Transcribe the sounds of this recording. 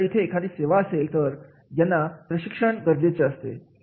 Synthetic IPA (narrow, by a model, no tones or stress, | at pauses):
it̪ʰeːkʰad̪iːseʋaəselt̪əɾ | janːapɾəɕikʂəɳɡəɾd͡ʑet͡ɕeəst̪ḛ